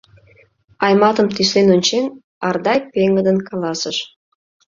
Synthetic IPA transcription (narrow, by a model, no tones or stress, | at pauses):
ɑjmɑt̪əmt̪yslenonʲt͡ɕen | ɑrd̪ɑjpeŋɡəd̪ənkɑlɑsəʃ